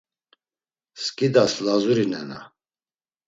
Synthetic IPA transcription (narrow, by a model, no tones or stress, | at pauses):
skʼid̪aslazuɾinɛ̰na̰